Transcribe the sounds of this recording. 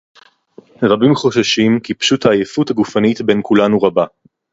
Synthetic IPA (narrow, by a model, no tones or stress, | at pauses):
ʁabimχo̞ʃaʃimkipʃuthaːjefuthaɡufanitbe̞nkulanuʁaba